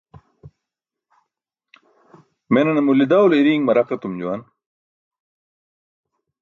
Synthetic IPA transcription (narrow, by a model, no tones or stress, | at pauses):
menɐnɐmulid̪aːwliɾiːŋmɐɾɐqɐt̪umd͡ʑuwɐn